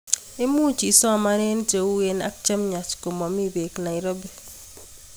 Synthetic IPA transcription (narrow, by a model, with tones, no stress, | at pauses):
e˦mu˦t͡ʃi˨sɔ˦˨ma˦ɾe˦n˦te˨u˦we˦na̰˦k̚t͡ʃe˦mɲa˨t͡ʃko˨mɔ˨mi˦be˨kna˨i˨ɾo˦be˨